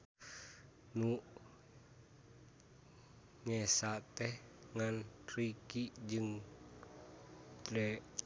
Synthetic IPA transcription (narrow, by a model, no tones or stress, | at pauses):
nuʔ | ɲɛsat̪ɛhŋantɾikiʔd͡ʒɨŋ | t̪ɾɛ